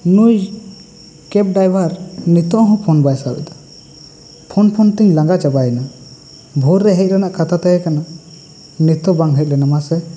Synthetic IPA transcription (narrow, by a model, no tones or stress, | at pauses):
nuj | kɛp̚ɖajbaɾnit̪ɔʔɦɔ̃pʰɔnbajsabɛ̰d̪ḁ | pʰɔnpʰɔnt̪iɲlaŋɡat͡ʃabajɛna | bʱɔɾːɛɦɛc̪̚ˀɾɛnaʔkat̪ʰat̪ɛjɛkana | nit̪ɔbaŋɦɛc̪̚lɛnamasɛ